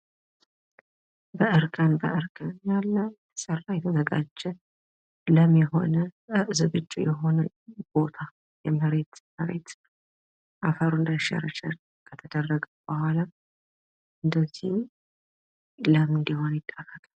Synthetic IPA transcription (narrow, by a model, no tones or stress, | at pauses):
bəʔɨɾkʰʼənbə̰ʔɨɾkʰʼənjalːə | sərːajɛt̪ʰəzəɡa̰d͡ʒːɛ | ləmjɛɦo̞nəzɨβɨt͡ʃʼːṵjɛɦo̞nə | b̥o̞t̪ʰa | jɛməɾe̞t̪məɾe̞̰t̪ | ʔafəɾuɨnd̪aʃɛ̰rəʃal | kʰət̪ʰəd̪ərːəɡəwbəhala | ʔɨnd̪əzih | ləmɨnd̪ihonjɪt̪ʼːəkːəkʼəl